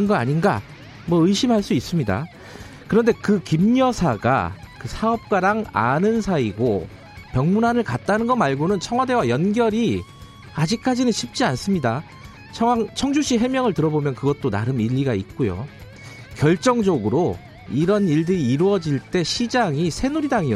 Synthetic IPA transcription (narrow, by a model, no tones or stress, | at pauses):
ɯnɡʌa̰ɲinɡa | mwʌɯiɕʰimɦaɭs͈uis͈ɯmɲida̰ | kɯɾʌnde̞kɯkimɲʌsʰaɡa̰ | kɯsʰaʌp̚k͈waɾaŋa̰nɯnsʰaiɡo | pjʌŋmunɦanɯɭkat̚t͈anɯnɡʌmaɭɡonɯnt͡ɕʰʌŋɦwade̞wajʌnɡjʌɾi | ad͡ʑik̚k͈ad͡ʑinɯnɕʰip̚t͡ɕ͈ians͈ɯmɲida | t͡ɕʰʌaŋt͡ɕʰʌŋd͡ʑuɕʰiɦe̞mjʌŋɯɭtɯɾʌbomjʌnkɯɡʌt̚t͈ona̰ɾɯmiʎːiɡait̚k͈ojo̰ | kjʌɭt͡ɕ͈ʌŋd͡ʑʌɡɯɾo | iɾʌniɭdɯɾiːɾuʌd͡ʑiɭt͈e̞ɕʰid͡ʑaŋisʰe̞nuɾidaŋiʌ